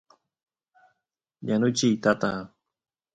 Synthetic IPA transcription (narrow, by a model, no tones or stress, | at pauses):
janʊt͡ʃijt̪at̪a